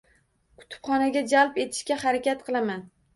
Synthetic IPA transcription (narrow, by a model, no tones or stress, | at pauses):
kʰʊ̥t̪ʰʊ̥pχɒnaɡʲad͡ʒalˠpe̞t̪ʰɪ̥ʃkʲahaɾakʲat̪qʰɨlˠaman